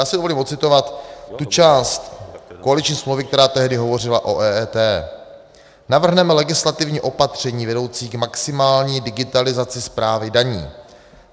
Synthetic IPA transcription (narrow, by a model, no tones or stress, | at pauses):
jaːsɪdovoliːmo̞t̪t͡sɪt̪o̞vat̪ːut͡ʃaːst̪koalɪt͡ʃɲiːsmlowvɪkt̪ɛɾaːt̪ɛɦdɪɦo̞vo̞r̝ɪlaʔo̞̰ʔɛːɛːt̪ɛː | navr̩ɦnɛmɛlɛɡɪslat̪ɪvɲiːʔo̞pat̪r̝̥ɛɲiːvɛdowt͡siːɡmaksɪmaːlɲiːdɪɡɪt̪alɪzat͡sɪspɾaːvɪdaɲḭː